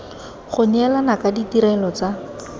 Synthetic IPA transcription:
χʊɲɛlanakaditiɾɛlɔt͡sa

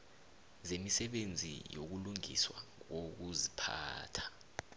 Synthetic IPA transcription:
zemisɛɓend͡zʱḭjok̬uluŋḭswa̰k̬ok̬uzipʰa̰ːtʰḁ

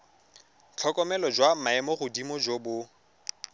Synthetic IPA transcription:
t͡ɬʰɔkʼɔmɛlɔd͡ʒwamaɛmɔɣʊdimɔd͡ʒobʊ

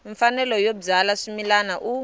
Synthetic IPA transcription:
ɱfanɛlɔjob͡ʐalaʂumilanaʔu

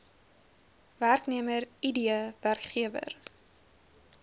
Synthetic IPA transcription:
værkniəməɾidiəværkχiəvə̰r

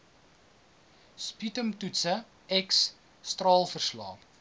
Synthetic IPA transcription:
spitəmtutsə | ɛks | strɑːlˠfərslɑ̰ː

